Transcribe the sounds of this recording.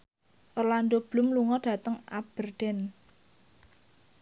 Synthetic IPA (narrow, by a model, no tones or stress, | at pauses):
ʔorland̪ob̥lʊ̤mluŋɔd̥ä̤t̪əŋa̰b̥ərɖ̥ɛn